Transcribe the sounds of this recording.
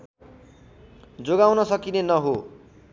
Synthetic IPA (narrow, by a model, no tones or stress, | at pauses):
d͡zoɡawnʌsʌkinenʌɦo